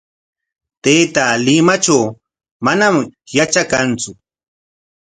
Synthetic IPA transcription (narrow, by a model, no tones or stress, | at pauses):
t̪ejt̪alɪmat͡ʃaw | manamjat͡ʃakant͡sʊ